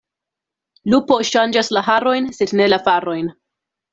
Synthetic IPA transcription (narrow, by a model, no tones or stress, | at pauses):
lupo̞ʃand͡ʒaslaɦaɾo̞jnse̞dne̞lafaɾo̞jn